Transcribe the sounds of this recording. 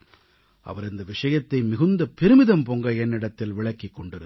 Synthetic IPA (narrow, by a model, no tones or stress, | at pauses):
ʔɐ̰ʋɐɾɪnd̪ɐʋɪʂɐjɐt̪ːɐɪmɪɣɯnd̪ɐpɛɾɯmɪðɐmpɔŋɡɐɛnːɪɽɐt̪ːɪlʋɪɭɐkːikːɔɳɖɪɾɯ